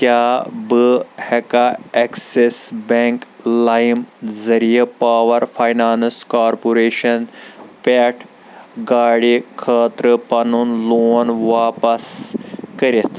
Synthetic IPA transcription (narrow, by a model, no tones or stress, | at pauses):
kjaːbɨhekaeksesbeŋklajmzɐɾijepaːʋɐɾfʰajnaːnskaːɾpoɾeːʃɐnpeʈʰ | ɡaːɽikʰəːt̪ɾɨpɐnunloːnʋaːpɐskɐɾit̪